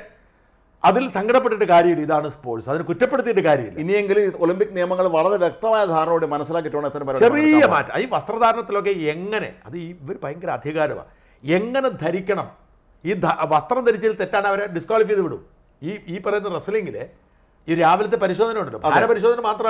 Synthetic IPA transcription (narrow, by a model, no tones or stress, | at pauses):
ɐðilsɐŋɡʱɐɽɐpːeʈːiʈːɨkaːɾjɐmilːiðaːɳɨspoːsɐðinɨkutːɐpːe̞ɽut̪ːijʈːɨkaːɾjɐmḭlːinijeŋɡiluolimpikːnijɐmɐŋːɐɭʋɐɭɐɾeʋjek̚t̪ɐmaːjɐd̪ʱaːɾɳɐoɽimɐnɐsːilaːk̬ːiʈːuʋɐɳːit̪ːɐnpɐɾɐt͡ɕɐriːjɐmaːtːɐ̰mɐiːʋɐst̪rɐd̪ʱaːɾɐɳɐt̪ːilo̞k̬ːeeŋːɐne̞̰ɐ̰ðɨiːʋɐɾupɐjɐŋɡɐɾɐɐd̪ʱjɐɣaːɾɐma̰ː | e̞ŋːɐne̞d̪ʱɐɾikʲːɐɳɐm | iːd̪ʱaʋɐst̪rɐmd̪ʱɐɾit͡ɕːɐilt̪e̞tːaːɳɨɐʋɐɾeɖiskwaːlifijðuʋiɽṵ | iːiːpɐrɐjunɐðresleŋɡilḛ | iːɾaːʋɐlɐt̪̬ːe̞pɐɾiɕo̞ːd̪ʱɐnɐmuɳɖɐlːobʱanɐpɐɾiɕo̞ːd̪ʱɐnɐmaːt̪rɐm